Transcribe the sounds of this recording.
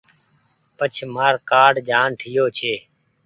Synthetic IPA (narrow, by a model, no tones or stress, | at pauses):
pət͡ʃʰmaːɾkaːɖd͡ʒʱaːnʈʰiːjoːt͡ʃʰeː